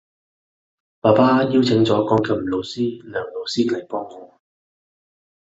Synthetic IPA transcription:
paː˨˩paː˥jiː˥wt͡sʰɪ˨˥ŋt͡sɔː˨˥kɔː˧ŋkʰɐ˨˩m̩˨˩lo˨˧wsiː˥lœː˨˩ŋlo˨˧wsiː˥lɐ˨˩jpɔː˥ŋːɔː˨˧

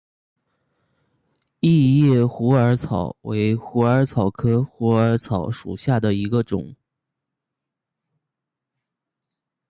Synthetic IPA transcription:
i˥˧jɛ˥˩xu˧˥ə˞˧˥t͡sʰɑ˨˩˦ʊwe˧˥ɪxu˧˥ə˞˧˥t͡sʰɑ˨˩ʊkʰɤ˥xu˧˥ə˞˧˥t͡sʰɑ˨˩˥ʊʂṵ˨˩ɕja˥˩d̪ə˩i˧˥ɡə˧ʈ͡ʂʊ̰˨˩˦ŋ

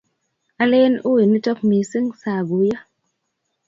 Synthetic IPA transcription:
a˦le˦nu˦i˨ni˦tɔ˦k̚mi˨sɨ˦ŋsa˨ɡu˨˦ja˦

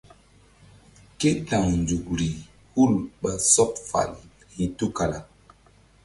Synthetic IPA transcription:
ke˦ta˨ŋnd͡ʒu˨k̚ɾi˨ | hu˦˨lɓa˨sɔ˦pfa̰˨l | hi˨tu˦ka˨la˨

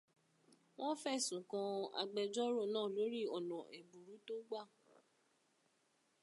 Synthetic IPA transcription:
w̃ɔ̃˦fɛ˦˨sũ˨kã˧a̰˧ɡ͡bɛ˧d͡ʒɔ˦ɾɔ˦˨nãː˦˨lo˨˦ɾi˦ɔ˨nɔ̃˨ʔɛ˨bu˨ɾu˨˦to˦ɡ͡ba˦˨

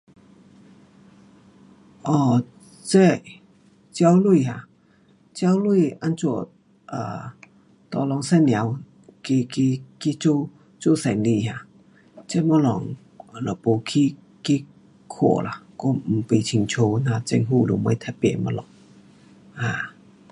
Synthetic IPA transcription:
ʔɔ˧˩ | t͡se˥˧˨ | t͡ɕja˧˦wlwu˧˨ɦa˧˨ | t͡ɕja˧˦wlwi˥˧˨ʔa˧˥nt͡su˧˩˨ | ʔa̰˨˩ | t̪ɔ˧˨lɔ˧ŋsɛ˧˨nlj̃a˨˦w | ki˧ki˧ki˧t͡ɕo˥˧ | t͡su˧˨sɛ˨˩ŋli˧˨ɦa˧˨ | t͡sɛ˧˥˨mɔ˧˦lɔ̰˨ŋ˨ | lɔ˨˩po˧kʰi˧˦ | ki˦ | kʰo̰˧˩˨la˨kɔ˧˦m̩˨˩pi˧˨t͡ɕʰi˧˨ŋt͡ɕʰo˧na˧t͡sɛ̰˧ŋɦu˧˨lṵ˧˨ma˧˦t̪ʰa˧˩pɛ̰˧˨mɔ̰˧˥lɔ˨˩˦ŋ | hã˧˩

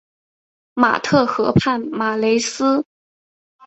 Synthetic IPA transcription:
ma̰˨˩t̪ʰɤ˥˩xɤ˧˥pʰa˥˩nma˨˩le˧˥ɪsɹ̩˥

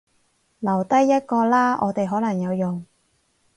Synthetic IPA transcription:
lɐ˨˩wt̪ɐ˥jːɐ˥t̚kɔː˧laː˥ɔː˨˧t̪e˨jɦɔː˨˥lɐ˨˩ŋjɐ˨˧wjʊ˨˩ŋ

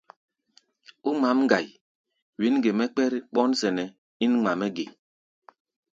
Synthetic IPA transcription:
u˦ma˨˦mŋ˦ɡa˨j | wi˨˦nɡe˨mɛ˦k͡pɛ˦ɾɓɔ˦nsɛ˨nɛ˨ | i˦nŋ͡ma˨mɛ˦ɡe˨

